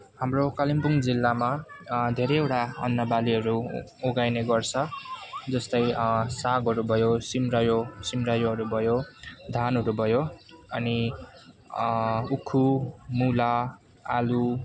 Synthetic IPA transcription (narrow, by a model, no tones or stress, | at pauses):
ɦamrokalimpuŋd͡zilːamad̪ʱeɾʌjewʈaʌ̰nːʌbaliɦʌɾuoɡajneɡʌrt͡sʰʌd͡zʌst̪ʌjsaɡɦʌɾubʱʌjosimrʌjosimrʌjoʌɾubʱʌjod̪ʱanɦʌɾubʱʌjoʌni | ukʰumula | a̰lu